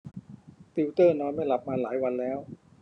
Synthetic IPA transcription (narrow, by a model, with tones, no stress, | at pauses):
t̪i˧wt̪ɤː˥˩nɔː˧nma˥˩jla˨˩p̚maː˧laː˩˦jwa˧nlɛː˦˥w